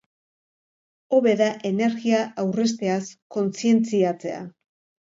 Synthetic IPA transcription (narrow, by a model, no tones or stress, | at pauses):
o̞βe̞ðaʔe̞ne̞ɾɣiaʔawre̞s̬t̪e̞asko̞nsie̞nt͡siat͡se̞̰a̰